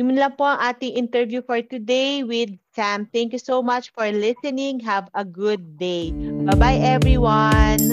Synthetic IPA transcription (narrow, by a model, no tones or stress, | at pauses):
jʊmnlɐŋpoʔɐŋʔaːt̪ɪŋʔɪnt̪ɛɹvjufɔɹt̪ʊd̪ejwɪd̪̚sãmt̪æ̃ŋkjusowmat͡ʃfɔɹlɪsɛnɪ̃ŋɦɐvɐɡʊd̪̚ːejɐbajʔɛvɹiwɐn